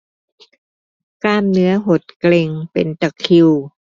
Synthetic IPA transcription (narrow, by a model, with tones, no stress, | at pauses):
kaː˥˩mnɯ˦˥ɐɦo˨˩t̪̚kle˧ŋpe˨˩nt̪a˨˧˩kʰi˧w